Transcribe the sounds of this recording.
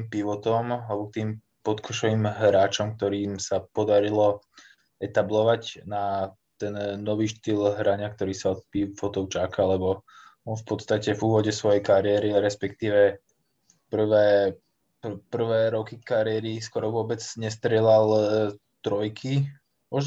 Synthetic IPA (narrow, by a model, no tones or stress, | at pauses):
impiʋɔt̪ɔmalɛbɔk̚t̪iːm | pɔt̪kʰɔʃɔʋiːmɦɾaːt͡ʃɔmk̚t̪ɔɾiːmsapɔd̪aɾilɔ | ɛt̪ablɔʋacna | t̪ɛnːɔʋiːʃt̪iːlɦɾaɲak̚t̪ɔɾiːsaɔt̪̚pifɔt̪ɔʊt͡ʃakʰalɛbɔ | ɔnfpɔt̪st̪acɛvuːʋɔɟɛsʋɔjɛjkaɾɪɛɾiɾɛspɛk̚t̪iːʋɛ | pr̩ʋɛː | ppr̩ʋɛːɾɔkikaɾɪɛɾiskɔɾɔʋʊɔbɛd͡zɲɛst̪ɾɪɛlalt̪ɾɔjkʰi | mɔʒ